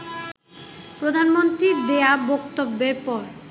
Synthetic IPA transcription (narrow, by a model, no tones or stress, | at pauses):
pɾod̪ʱanmont̪ɾiɾd̪eabɔk̚t̪obːeɾpɔɾ